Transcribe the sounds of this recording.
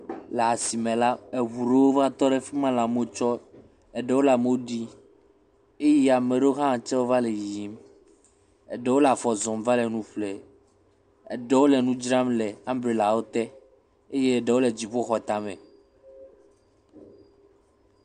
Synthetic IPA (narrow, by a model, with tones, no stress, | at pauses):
lɛ˨a˨si˨mẽ˨la˦e˨βu˨ɾe˦wo˦va˦t̪ɔ˦ɖe˦fɛ˦mã˦la˨mo˦t͡ʃɔ˦ | ɛ˨ɖɛ˦wo˦la˨me˦wo˦ɖi˦ | e˦ji˦a˨mẽ˨ɖo˦ɦã˦˨t͡ʃɛ˦wo˦va˦le˨ji˨˦m | ɛ̰˨ɖɛ˦wo˦la˨fɔ˨zɔ̃˨mva˦le˨nũ˦fle˨ | ɛ̰˨ɖɛ˦wo˦lɛ˨nũ˦d͡ʒɾã˦mlɛ˨a˦mbɾe˨la˨wo˦t̪ɛ˦ | e˦je˦ɛ˨ɖɛ˨wo˦le˨d͡ʑi˨ɸo˦xɔ˨t̪a˨mɛ̃˨